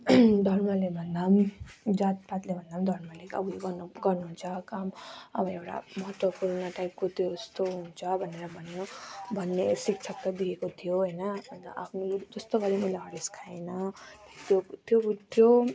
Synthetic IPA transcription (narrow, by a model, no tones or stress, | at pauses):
d̪ʱʌɾmʌlebʱʌnd̪amd͡zat̪̚pat̪lebʱʌnd̪amd̪ʱʌɾmʌleʌ̰bueɡʌnɡʌrnuɦũnt͡sʰʌkamʌ̰bʌewʈa̰mʌʈopuɾnʌʈaip̚kot̪ʰjoʌst̪oɦũnt͡sʰʌbʱʌneɾʌbʱʌnjobʱʌnːesik̚t͡ʃʰʌk̚t̪ad̪ikekot̪ʰijoɦʌjnʌːnt̪ʔapʰnod͡zʌst̪oɡʌɾemʌlaɦʌɾliskʰaenʌt̪jot̪jobut̪jo